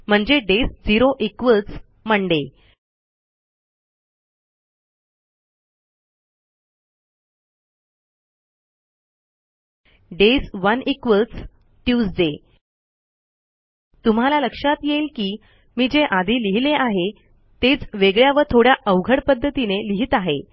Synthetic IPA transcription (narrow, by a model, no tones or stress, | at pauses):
m̤əɳd͡zeɖesd͡ziɾoʔikʋət͡s | m̤əɳɖe | ɖesʋənikʋə | ʈjuːsd͡ze | t̪um̤alaləkʂat̪jelkiː | miːd͡ʑeʔad̪ʱiːliɦileʔaɦe | t̪et͡sʋeɡɭjaʋəɾt̪ʰoɽjaʔəʋɡʱəɽpəd̪ʱːət̪ineliɦit̪aɦḛ